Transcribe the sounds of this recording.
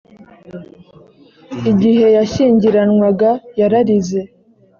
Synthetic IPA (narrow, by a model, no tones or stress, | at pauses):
iɟiɦe̞jaʃiːɲɟiɾanŋwaɡajaɾaɾize̞